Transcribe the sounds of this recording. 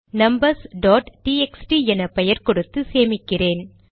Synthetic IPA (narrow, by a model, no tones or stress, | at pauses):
nɐmbɐɾsɖoːʈʈiɛksʈiɛnɐpɛjɐɾkɔɽɯt̪ːɯseːmɪkːɪreːn